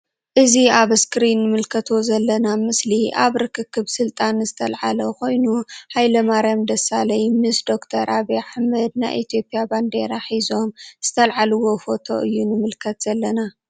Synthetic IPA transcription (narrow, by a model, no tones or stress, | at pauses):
ʔɨziaβɨskɨɾinːɨmɨlkʰɐt̪ʰo̞zɐlːɐnamɨsliʔaβɾɨkʰɨkʰːɨβsɨlt̪ʼanzɨt̪ʰɐlʕaloko̞jnuħajlɐmaɾjamd̪ɐsalɐjmɨsd̪o̞kt̪ʰɐɾʔaβeħamɐd̪̚na̰jʔit̪ʰjo̞pʼjaband̪e̞ɾaħizo̞mz̥ɨt̪ʰɐlʕalɨwo̞fo̞t̪ʰo̞̰ʔɨjːunɨmɨlkʰɐt̪z̥ɐlːɐna